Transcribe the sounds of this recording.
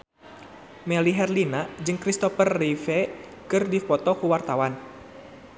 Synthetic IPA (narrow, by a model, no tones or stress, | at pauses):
mɛliɦɛrlinad͡ʒɨŋkɾist̪ɔfərːifɛ | kɨrdipɔt̪ɔkuwart̪awan